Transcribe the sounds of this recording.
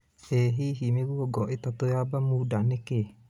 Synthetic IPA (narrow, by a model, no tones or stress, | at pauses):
eɦiɦimeɡuoɡɔʔit̪at̪ojabamudaneke